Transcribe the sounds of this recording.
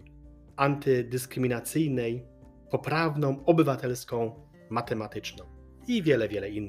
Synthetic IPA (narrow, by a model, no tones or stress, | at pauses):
ant̪ɘd̪ɘskɾɘmʲinat̪sɘjnɛj | pɔpɾavnɔ̃w̃ɔbɘvat̪ɛlskɔ̃w̃ | mat̪ɛmat̪ɘt͡ʂnɔ̃w̃ | ivʲjɛlɛvʲjɛlɛinː